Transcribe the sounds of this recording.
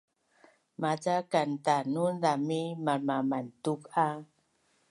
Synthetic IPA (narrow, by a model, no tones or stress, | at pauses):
mad͡zakantanundamimamamantuka